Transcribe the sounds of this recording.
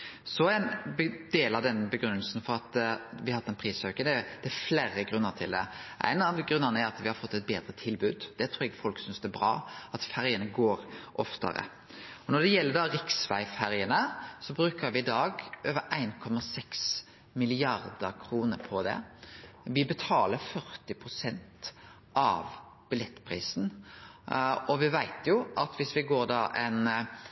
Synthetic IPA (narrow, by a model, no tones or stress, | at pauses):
sɔæɪnd̪eːlɑd̪ɛnːəbəɡɾʉnːəlsn̩fɔɾɑt̪ʋɪɑhɑt̪ːɛnpʰɾiːsøkənɛd̪̥ɛæfleːɾəɡɾʉnːət̪ʰɪ̰ld̪ɛ̰ʔæ̰ɪnɑʋɡɾʉnənəæɾɑt̪ʋɪhɑɾfɔt̪ːɛt̪̚beːd̪ɾət̪ʰɪlbʉːd̪d̪̥ɛt̪ʰɾuːɾɛɡfɔlksʏnsd̪ɛbɾɑ̰ːɑt̪fæɾjənəɡoːɾʔɔft̪ə̰ɾə̰ | ɔnɔd̪ɛjɛlːəd̪ɑɾɪksʋæ̰ɪfæɾjənəsɔbɾʉːkəɾʋɪɪd̪ɑːɡʔøːʋəɾʔæɪnkʰɔmɑsɛks | mɪlɪɑɾd̪əɾkʰɾuːnəɾpʰɔd̪ɛ̰ | ʋɪbət̪ʰɑːləɾfœʁt̪ɪpʰɾʊsɛnt̪ | ʔɑ̰ʋ | b̥ɪlɛt̪ːpʰɾḭːsn | ɔʋɪʋæɪt̪jʊʔɑt̪ʋɪsʋɪɡoːɾd̪ɑʔɛn